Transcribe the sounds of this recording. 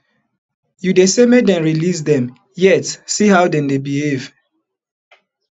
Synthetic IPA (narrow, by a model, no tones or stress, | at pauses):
judesemedɛ̃nɹilis̬dɛ̃m | jɛtsihawdɛ̃ndebihev̥